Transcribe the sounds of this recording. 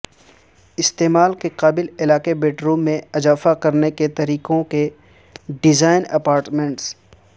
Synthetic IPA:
ɪst̪eːmaːlkeqaːbɪlɪlaːkebeːʈɾuːmːẽɐzaːfakɐɾneket̪ɐɾiːqõke | ɖɪzaːɪnɐpaːɾʈmẽɳʈs

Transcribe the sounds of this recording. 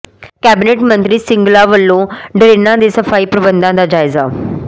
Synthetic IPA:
kɛːbɪneːʈmənt̪ɾiːsɪŋɡlaːʋəlːõːɖɾeːnãːd̪eːsəpʰaːiːpɾəbənd̪ãːd̪aːd͡ʒaːɪza̰ː

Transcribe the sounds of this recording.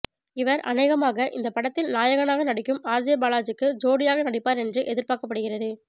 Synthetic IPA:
ɪʋɐɾɐ̰nɐɪɣɐmaːɣɐʔɪ̰nd̪ɐpɐɽɐt̪ːɪlnaːjɐɣɐnaːɣɐnɐɽɪkːɯmaːɾd͡ʒɪjɐbaːlaːt͡ʃɯkːɯd͡ʒoːɽɪjaːɣɐnɐɽɪpːaːɾɛndrɯʔɛðɪɾpaːkɐpːɐɽɯɣɪrɐðɯ

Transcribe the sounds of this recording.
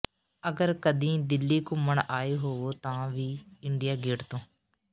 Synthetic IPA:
əɡəɾkəd̪ĩːd̪ɪlːiːkũməɳaːeːɦoːoːt̪ãːʋiːɪɳɖijaːɡɪːɽt̪õː

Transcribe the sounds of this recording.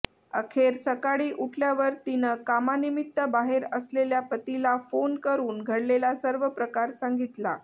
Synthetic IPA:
ə̰kʰeɾsəkaɽiːʔuʈʰljaʋəɾt̪inəkamanimit̪ːəbaɦeɾəsleljapət̪ilafonkəɾuːnɡʱəɽlelasəɾʋəpɾəkaɾsaŋɡit̪la̰

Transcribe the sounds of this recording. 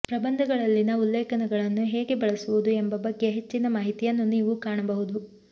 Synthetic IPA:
pɾɐbɐnd̪ʱɐɡɐɭɐlːinɐulːeːkɐnɛɡɐɭɐnːuɦe̞ːɡe̞bɐɭɐsuʋud̪uembɐbɐɡːe̞ɦet͡ʃːinɐmaːɦit̪ijɐnːuniːʋukaːɳɐbɐɦud̪u

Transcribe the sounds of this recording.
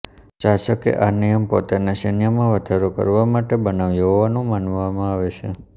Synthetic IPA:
t͡ʃaʃəkḛʔanijəmpo̰t̪anaʃənjəmãʋəd̪ʱaɾokə̰ɾʋamaʈebənaʋjoʋanũmanʋamãaʋet͡ʃʰe

